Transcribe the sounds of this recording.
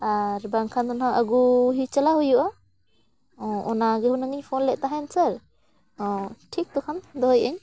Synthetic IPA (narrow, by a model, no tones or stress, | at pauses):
aɾbaŋkʰand̪ɔnhaʔaɡuɦit͡ʃalaɦujuʔa | ɔɔnaɡɛhunaŋiɲpʰɔnlɛʔt̪aɦɛnsaɾ | ɔʈʰik̚t̪ɔkʰand̪ɔɦɔjɛɲ